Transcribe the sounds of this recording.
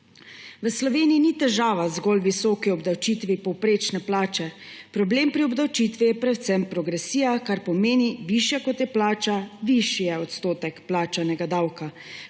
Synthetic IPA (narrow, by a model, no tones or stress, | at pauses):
ʋəslɔʋeːniːnit̪ɛʒaːʋazɡɔlʋisɔːkiɔbd̪awt͡ʃit̪ʋipɔwpɾeːt͡ʃnɛplaːt͡ʃɛ | pɾɔbleːmpɾiɔbd̪awt͡ʃit̪ʋijɛpɾɛt̪t̪sɛmpɾɔɡɾɛsiːjakaɾpɔmeːniʋiʃjakɔt̪jɛplaːt͡ʃaʋiʃijɛɔt̪st̪oːt̪ɛkplaːt͡ʃanɛɡad̪awka